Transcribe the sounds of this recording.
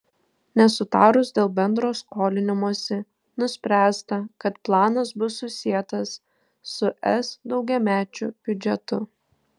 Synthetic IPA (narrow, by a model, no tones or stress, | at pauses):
nʲɛsʊt̪ɑːɾʊsd̪ʲeːlˠbʲɛnd̪ɾoːskoːlʲɪnʲɪmoɔsʲɪ | nʊsʲpʲɾʲæːst̪ɐkɐt̪plˠɑːnɐs̬bʊsːʊsʲiɛt̪ɐsː | ʊʔɛsd̪ɒʊɡʲɛmʲæːt͡ʃʲʊb̥ʲʊd͡ʒʲɛt̪ʊ